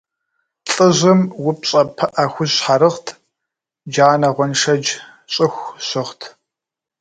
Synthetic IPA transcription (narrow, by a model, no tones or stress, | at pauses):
ɬʼɨʑɨmwʊpɕʼɐpʰɐʔaːxʷʊzħaɾɨχtʰ | d͡ʒaːnɐʁʷɔnʂɐd͡ʒ | ɕʼɪxʷɕɨχtʰ